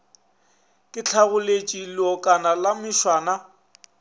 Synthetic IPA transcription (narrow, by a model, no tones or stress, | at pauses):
kʼɪt͡ɬʰaɣʊlet͡ʃʼilɔkʼanalamɪʃwaːna